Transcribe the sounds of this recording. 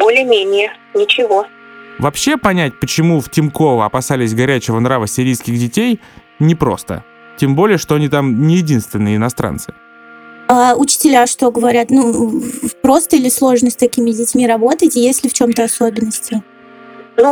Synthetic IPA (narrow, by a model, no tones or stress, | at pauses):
bolʲɪəmʲenʲɪjə | nʲɪt͡ɕɪvo̞ | vɐpɕːe̞pɐnʲætʲpət͡ɕɪmuftʲɪmko̞vəɐpɐsalʲɪsʲɡɐɾʲæt͡ɕɪvənɾavəsʲɪɾʲijskʲɪɣdʲɪtʲej | nʲɪpɾo̞̰st̪ə̰ | tʲembo̞lʲɪjəʂt̪oɐnʲit̪amnʲɪjɪdʲinst̪vʲɪnːɨjəɪnɐst̪ɾa̰nsɨ̥ | aʊt͡ɕɪ̥tʲɪlʲaʂt̪o̞ɡəvɐɾʲat̪nu | pɾo̞st̪əilʲɪslˠo̞ʐnəsʲt̪ɐkʲimʲɪdʲɪtʲmʲiɾɐbo̞t̪ətʲjesʲlʲɪft͡ɕo̞mt̪əɐso̞bʲɪnːəsʲtʲɪ | nu